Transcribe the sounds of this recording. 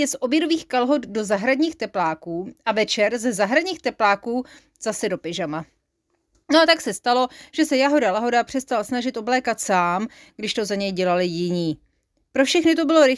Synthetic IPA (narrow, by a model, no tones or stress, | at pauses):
jɛsʔo̞bjɛdo̞viːxkalɦo̞d̪do̞zaɦɾadɲiːxt̪ɛplaːkuːʔavɛt͡ʃɛɾzɛzaɦɾadɲiːxt̪ɛplaːkuː | z̥asɛdo̞pɪʒama | noat̪aksɛst̪alo̞ʒ̥ɛsɛjaɦo̞dalaɦo̞dapr̝̥ɛst̪alsnaʒɪt̪ʔo̞blɛːkat̪saːm | ɡdɪʃt̪o̞zaɲɛjɟɛlalɪjɪɲiː | pɾofʃɛxnɪt̪o̞bɪlo̞ɾɪ